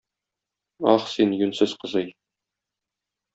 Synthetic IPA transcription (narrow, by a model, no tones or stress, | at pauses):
ɒχsinjɵnsɘz̥qɤ̆zɤj